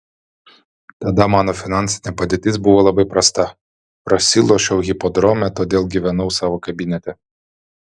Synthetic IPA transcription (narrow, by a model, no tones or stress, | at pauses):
t̪ɐd̪ɐmɑːnɔfʲɪnɑnʲsʲɪ̥nʲɛpɐd̪ʲeːt̪ʲɪs̬bʊʋɔlˠɐbɐɪpɾɐst̪ɐ | pɾɐsʲilˠɔʃʲɛʊɣʲipɔd̪ɾɔmʲɛt̪od̪ʲeːlˠɡʲiʋʲɛnɐʊsɑːʋɔkɐbʲinʲɛt̪ʲɛ